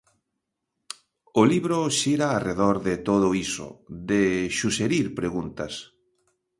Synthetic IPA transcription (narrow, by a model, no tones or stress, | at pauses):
ʊliβɾoʃiɾaːreðoɾðɪt̪oð̞oiso̰d̪eʃuseɾiɾpɾeɣunt̪ɐs